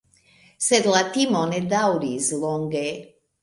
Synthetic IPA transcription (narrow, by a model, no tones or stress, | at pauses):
set̪lat̪imoned̪awɾizloŋɡe